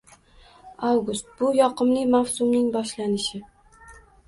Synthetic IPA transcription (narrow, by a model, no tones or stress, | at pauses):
awɡʊst̪̚bʊjɒqʰɨmlɪmawsʊmnɪŋbɒʃlanɪʃɪ